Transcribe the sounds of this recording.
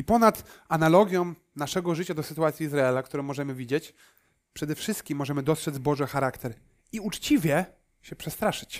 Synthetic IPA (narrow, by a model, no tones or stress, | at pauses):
ipɔnat̪analɔɡʲjɔ̃w | naʂɛɡɔʐɘt͡ɕad̪ɔsɘt̪uwat̪sʲjiːzɾaɛlakt̪uɾɔ̃w̃mːɔʐɛmɘvʲid͡ʑet͡ɕ | pʂɛd̪ɛfʂɘst̪̚kʲimːɔʐɛmɘd̪ɔst̪ʂɛd̪zbɔʐɛxaɾakt̪ɛɾ | iut͡ʂt͡ɕivʲjɛ | ɕɛpʂɛst̪ɾaʂɘ̥t͡ɕ